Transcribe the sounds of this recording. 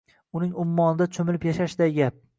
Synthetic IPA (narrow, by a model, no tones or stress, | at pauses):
ʊnɪŋʊmːɒnɪd̪at͡ʃʰomɪlɪpjaʃaʃɪd̪ajɡʲap̚